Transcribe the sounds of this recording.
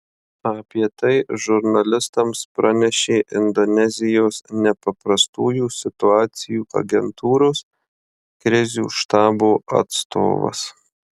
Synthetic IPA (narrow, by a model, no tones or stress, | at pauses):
ɐpʲiɛt̪ɐɪʒʊɾnɐlʲɪst̪ɐmspɾʔɑnʲɛʃʲeːʔɪnd̪ɔnʲɛzʲɪjoːsnʲɛpɐpɾɐst̪uːjuːsʲɪt̪ʊɑːt̪sʲɪjuːʔɐ̰ɡʲɛnt̪uːɾoːs | kɾʲɪzʲṵːʃt̪ɑːboːʔɐ̰t̪st̪ʰo̰ːʋɐ̰s